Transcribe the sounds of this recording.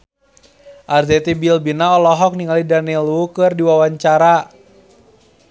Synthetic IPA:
ʔarzɛt̪ibilbinaɔlɔɦɔk̚niŋalidanilukɨrdiwawaɲt͡ʃaɾa

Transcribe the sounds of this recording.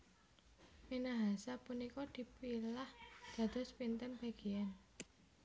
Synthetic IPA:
minaɦasapunikɔd̪̥i̤pilahd̪̥ä̤d̪̥ɔ̤spint̪ənb̥a̤ɡ̥iɛn

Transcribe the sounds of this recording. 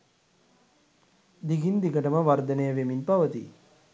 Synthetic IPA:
d̪iɡind̪ikəʈəməʋaɾd̪ənəjəʋeminpaʋət̪ḭ

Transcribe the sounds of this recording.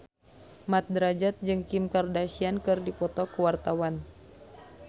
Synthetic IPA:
mat̪̚dəɾad͡ʒat̪̚d͡ʒɨŋkimkardasiankɨrdipɔt̪ɔkəwart̪awan

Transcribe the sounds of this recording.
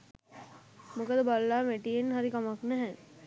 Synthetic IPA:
mokəd̪əbalːaːmeʈijenɦaɾikɐmɐknæɦɛ

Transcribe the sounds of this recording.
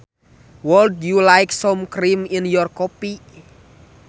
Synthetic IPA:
wɔldjulajksɔmkɾiminjɔrkɔpi

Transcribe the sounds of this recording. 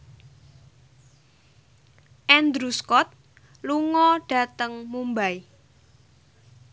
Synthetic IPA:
ʔɛnd̪ɾuskɔt̪̚ | luŋɔɖ̥ä̤t̪əŋmumbai

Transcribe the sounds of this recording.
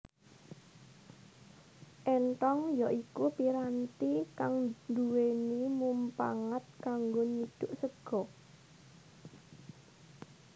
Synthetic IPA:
ʔɛnʈ̪ɔŋjɔʔikupiɾant̪ikaŋnduwenimumpa̰ŋat̪̚kaŋɡoɲid̪̥ʊʔsəɡ̥ɔ

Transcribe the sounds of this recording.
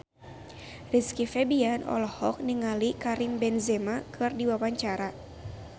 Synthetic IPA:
riskifɛbianɔ̰lɔhɔk̚niŋalikaɾimbɛnzɛmakʰɨrdiwawaɲt͡ʃaɾa

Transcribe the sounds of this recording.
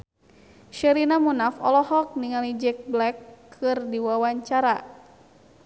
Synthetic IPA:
ʃɛɾinamunafɔ̰lɔhɔk̚niŋalid͡ʒɛk̚blɛkʰːɨrdiwawaɲt͡ʃaɾa

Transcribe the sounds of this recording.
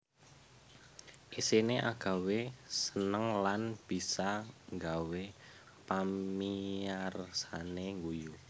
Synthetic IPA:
ʔisineʔa̰ɡ̥a̤wesənəŋlanb̥i̤saŋɡawe | paiarsaneŋɡuju

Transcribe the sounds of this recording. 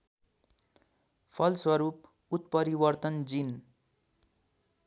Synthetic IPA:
pʰʌlswʌɾup | ut̪̚pʌɾibʌrt̪ʌnd͡zin

